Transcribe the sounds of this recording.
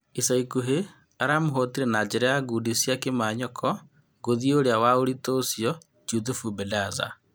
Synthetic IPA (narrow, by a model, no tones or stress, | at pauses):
isaikuɦe | aɾamoɦɔtiɾɛnaːd͡ʒɛɾɛjaɡuːdisjakemaːɲɔkʰɔ | ɡoðioɾeawaoɾitosijɔ | d͡ʒutufubɛdaza̰